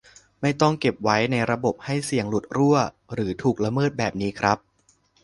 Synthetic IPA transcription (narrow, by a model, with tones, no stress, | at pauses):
ma˥˩jt̪ɔ˥˩ŋke˨˩p̚wa˦˥jna˧jɾa˧bo˨˩p̚ha˥˩jsi˨˩əŋlu˨˩t̪̚ɾu˥˩ɐ | ɾɯː˩˦t̪ʰuː˨˩k̚la˧mɤː˥˩t̪̚bɛː˨˩p̚niː˦˥kʰɾa˦˥p̚